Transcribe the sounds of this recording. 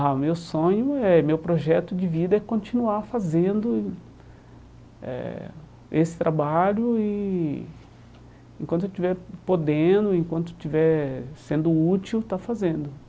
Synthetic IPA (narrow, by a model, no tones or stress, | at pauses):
amewsõɲʊɛmewpɾoʒɛt̪ʊd͡ʒɪvid̪ɐɛkõnt͡ʃinuaɾfazẽnd̪ʊ | ɛ̰ | esɪ̥t̪ɾabaʎʊɪ | ẽkwɐ̃t̪ewt͡ʃivɛɾpod̪ẽd̪ʊẽkwɐ̃nt̪̬ʊt͡ʃivɛɾsẽnd̪ʊut͡ʃiwt̪afazẽnd̪ʊ